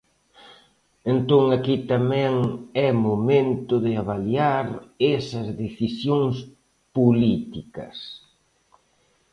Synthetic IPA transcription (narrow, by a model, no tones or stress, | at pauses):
ent̪oŋakit̪amɛ̃ŋɛmomẽnt̪ʊðɪaβaljaɾesɐzðeθisjoŋs | pulit̪ikɐ̰s